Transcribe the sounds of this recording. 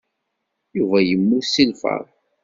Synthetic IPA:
juvæjəmːusilfə̰ɾˤ

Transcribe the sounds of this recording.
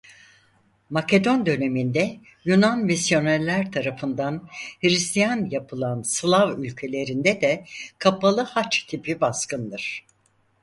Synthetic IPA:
mace̞d̪o̞nd̪ø̞ne̞mind̪ɛ | junanmisjo̞naɾlʲæɾt̪ʰaɾafɯnd̪anhiɾist̪ʰijanjapʰɯlˠanslˠavylʲcʰe̞lʲe̞ɾind̪ɛd̪ɛkʰapʰalˠɯhat͡ʃt̪ʰipʰibaskʰɯnd̪ɯɾ̥

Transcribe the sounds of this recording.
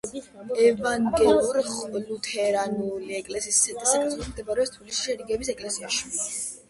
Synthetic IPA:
ɛvaŋɡɛluɾχlut̪ʰɛɾanuliɛkʼlɛsissɛt̪ʼisasʰɔsmd̪ɛbaɾɛst̪ʰwilisi̥ʃɛɾiɡɛbisɛkʼlɛsiaʃi

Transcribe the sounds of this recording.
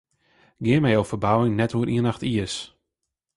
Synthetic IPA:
ɡɪəmɛjowfərbawɪŋnɛthuəʔiənaxtiəs

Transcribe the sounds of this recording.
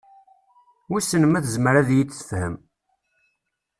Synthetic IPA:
wisənəmæθəzməɾæðjit͡sːə̥fhə̰m

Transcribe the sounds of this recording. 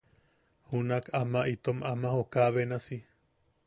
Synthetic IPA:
hunakʰamaʔit̪omamahokaβenasi

